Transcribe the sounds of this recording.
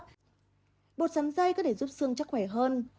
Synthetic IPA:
ɓo˨˩t̚za˨˦mza˧jkɔ˨˦ɗʰe˧˩zu˦˥p̚sɨ˧əŋt͡ɕa˦˥k̚xwɛ˧˩jɦəː˧n

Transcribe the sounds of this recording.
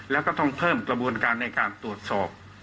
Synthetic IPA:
lɛː˦˥wkɔː˥˩t̪ɔ˥˩ŋpʰɤː˥˩mkɾa˧bu˧ənkaː˧nːa˧jkaː˧nt̪u˨˩ət̪̚sɔː˨˩p̚

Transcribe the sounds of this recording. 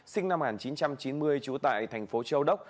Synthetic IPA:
sï˧ŋ̟na˧mŋaː˨˩nt͡ɕi˨˦nt͡ɕa˧mt͡ɕi˨˦nmɨ˧əjt͡ɕu˨˦t̪a̰ː˧˨jt̪ʰɛ˨˩jŋ̟fo˨˦t͡ɕə˧wɗə˦˥k͡p̚

